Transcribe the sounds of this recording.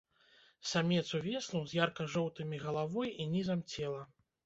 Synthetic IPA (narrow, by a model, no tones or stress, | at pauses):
samʲɛt̪suvʲɛslˠuwzʲjarkɐʐɔwt̪ɨmʲiɣɐlˠavɔjinʲizɐmt͡sʲɛlˠɐ